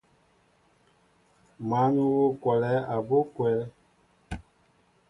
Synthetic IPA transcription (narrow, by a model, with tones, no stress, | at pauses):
ma˨˦nu˦wo˦kwɛ˨lɛ˦a˨bo˦kwɛ˨˦lɛ˦